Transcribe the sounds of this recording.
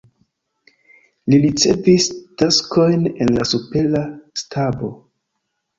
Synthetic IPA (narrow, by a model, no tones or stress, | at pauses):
liɾit͡se̞̰vistaskʰo̞jne̞̰nlasupe̞lastʰabo̞